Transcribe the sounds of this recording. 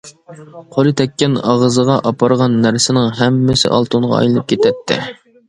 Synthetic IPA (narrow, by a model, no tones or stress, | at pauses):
qʰolˠɨt̪ʰɛkʲːɛnɑʁəzəʁɑʔɑpʰɑɾʁɑnːæɾsɪnɪŋɦɛmːɪsɪ̰ʔɑ̰lˠt̪ʰuɴʁɑ̰ɑ̰jlˠɨnɨp̚kʲʰet̪ʰɛt̪ʰːɪ̰